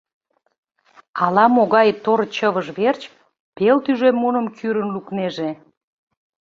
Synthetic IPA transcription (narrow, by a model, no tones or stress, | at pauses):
ɑlɑmoɣɑjt̪oɾt͡ɕəβəʒβert͡ɕ | pelt̪yʒemːunə̆mkʰyɾə̆nlukneʒe